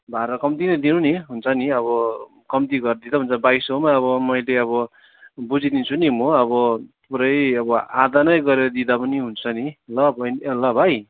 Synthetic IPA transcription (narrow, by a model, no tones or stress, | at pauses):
bʱaɾʌkʌmt̪inʌjd̪inuniɦunt͡sʰʌniʌβʌ | kʌmt̪iɡʌɾd̪id̪aɦunt͡sʰʌbajsomaʌβʌmʌjleʌβʌ | bud͡zid̪int͡sʰunimoʌbʌpuɾʌjʌbʌa̰d̪anʌjɡʌɾeɾʌd̪id̪apʌniɦunt͡sʰʌnilʌbʱʌnlʌbʱaj